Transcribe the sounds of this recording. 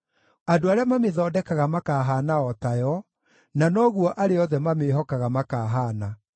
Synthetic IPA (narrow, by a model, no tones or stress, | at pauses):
adoaɾeamameðɔːdɛkaɣamakaːɦaːnaɔtajɔ | nanɔːɣuɔʔaɾeɔðɛmameɦɔkaɣamakaːɦaːna